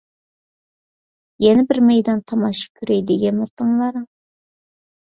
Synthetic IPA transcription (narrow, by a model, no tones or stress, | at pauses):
jɛnɪbɪɾmejd̪ɑnt̪ʰɑmɑʃɑ̥kʲʰyɾɛjd̪eɡʲɛnmʊt̪ʰːɨŋlˠɑɾ